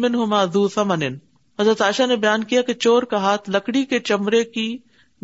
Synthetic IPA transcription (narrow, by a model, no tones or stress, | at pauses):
mɪnɦʊmaːðuːθɐmɐnɪn | ɦɐzɾət̪aːʃanebɐjaːnkijaket͡ʃoːɾkaɦaːt̪ʰlɐkɽiket͡ʃɐmɾeki